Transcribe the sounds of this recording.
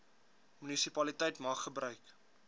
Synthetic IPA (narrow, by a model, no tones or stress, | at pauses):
mynisipɐlitəjtmɐχːəbrœɥk